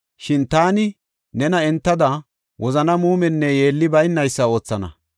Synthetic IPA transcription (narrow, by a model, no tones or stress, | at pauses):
ʃɪnt̪aːnɪ | nɛnɐɛnt̪ːɐd̪ɐ | wʔɔzɐnɐmuːmɛnːɛje̞ːlːɪbɐjnːɐjsːɐo̞ːt͡sːɐnɐ̰